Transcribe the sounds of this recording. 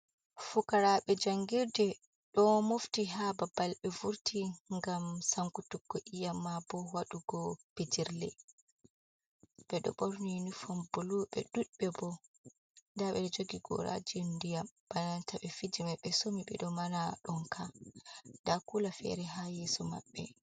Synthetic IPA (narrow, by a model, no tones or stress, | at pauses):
fukaɾaɓɛd͡ʒaŋɡiɾdɛ | ɗɔmoftiɦababalɓɛvuɾtʰiŋɡamsaŋkutukːɔʔijamːabɔwaɗuɡɔpid͡ʒiɾlɛ̰ | ɓɛɗɔ̰ɓɔɾninifɔmbuluɓɛ̰ɗuɗɓɛbɔ | ndaɓɛɔd͡ʒoɡiɡɔ̰ɾʔa̰d͡ʒindijamb̥anantaɓɛfid͡ʒimɛɓɛsomiɓɛ̰ɗɔmanaɗɔnkʰa | dakulafɛ̰ɾɛɦajɛsɔma̰ɓːɛ